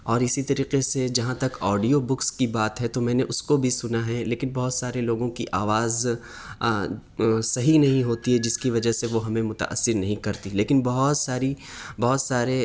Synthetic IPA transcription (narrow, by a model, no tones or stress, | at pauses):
ɔːɾɪsit̪ɐɾiːqesed͡ʒɐɦãt̪ɐkɔːɖijobʊkskibaːt̪ɦɛt̪omɛ̃ːneʔʊskobʱisʊnaɦɛleːkɪnbɐɦʊt̪saːɾeloːɡõkiʔaːʋaːz | sɐɦinɐɦĩɦoːt̪iɦɛd͡ʒɪskiʋɐd͡ʒəɦseʋoɦɐmẽmʊt̪a̰ʔə̰sːɪɾnɐɦĩkɐɾt̪ileːkɪnbɐɦʊt̪saːɾibɔɦʊt̪saːɾe